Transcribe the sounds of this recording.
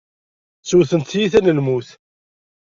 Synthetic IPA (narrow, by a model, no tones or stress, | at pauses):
t͡sːuθənt̪jiθænəlmuθ